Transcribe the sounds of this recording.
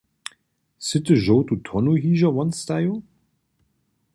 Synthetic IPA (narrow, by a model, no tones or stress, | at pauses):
sɪtəʒoːtutʰɔnuɦiːʒɐvɔnstajo